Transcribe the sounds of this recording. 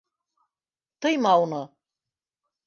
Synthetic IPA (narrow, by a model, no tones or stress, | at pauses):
t̪ɤjmɑwnɤ